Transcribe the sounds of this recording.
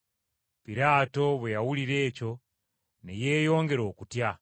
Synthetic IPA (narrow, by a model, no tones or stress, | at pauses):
piɾaːto̞βwejawuliɾe̞ːco̞ | neje̞ːjo̞ːŋɡe̞ɾo̞ːkutja